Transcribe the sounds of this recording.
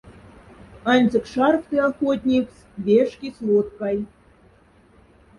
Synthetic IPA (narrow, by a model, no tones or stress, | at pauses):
ɑnʲzʲɤ̆kʂɑrft̪ɨɑxot̪ʲnʲikt͡s | vʲeʂkʲislˠot̪kɑj